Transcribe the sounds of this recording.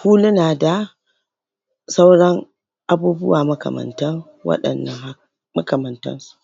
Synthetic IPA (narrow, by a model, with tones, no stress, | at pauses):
huː˦lɐ˦naː˨da˨ | sa˦wɽɐ˦ŋ | ʔa˨buː˦bʊ˦waː˨mɐ˦kɐ̰˨mɐ̰˨ntɐ˦ŋ | wɐ̰˦ɗɐ̰˨nːɐ˨ŋha˦ | mɐ̰˦kɐ˨mɐ˨ntɐ̰˦nsu̥˨ʔ